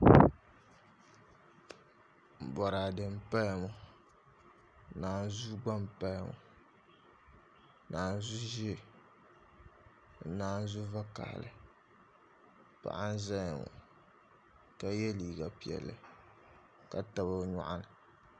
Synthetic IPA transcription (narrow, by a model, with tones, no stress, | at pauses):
bɔ˨ɾa˨dɨ˨m˦pa˦lmʊ˨˦ | naː˦˨n˦zu˦ɡ͡ba˦mpa˦lmʊ̰˨˦ | naː˨n˦zu˦ʒi˦e˦ | naː˦n˦zu˦va˦ka̰˨lɨ̰˨ | pa̰˨ʔa˦n˦za˦jŋʊ̰˨ | ka˦jɛ˦liː˨ɡa˨pi˨ɛ̰˨lːɨ˨ | ka˨ta˨ba˦ɲɔ̰˦ʔa˦nɨ˨